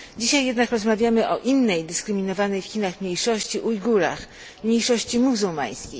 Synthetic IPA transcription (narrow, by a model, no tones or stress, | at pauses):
d͡ʑiɕajːɛd̪nakɾɔzmavʲjamɘʔɔʔinːɛjd̪ɘskɾɘmʲinɔvanɛjfxʲinaxmʲɲejʂɔɕt͡ɕiʔujɡuɾa̰x | mɲejʂɔɕt͡ɕimuzuwma̰j̃skʲej